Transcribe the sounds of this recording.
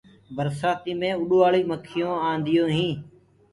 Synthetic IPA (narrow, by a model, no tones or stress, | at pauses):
bəɾsaːt̪iːmẽːʊɗoːaːɭiːməkʰːɪjõːãːnd̪ɪjõːɦĩː